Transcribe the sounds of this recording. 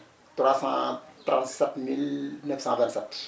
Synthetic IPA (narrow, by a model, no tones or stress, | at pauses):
t̪rwasɑ̃t̪rãnt̪sɛt̪milnɛfsɑ̃vɛ̃nt̪sɛt̪ː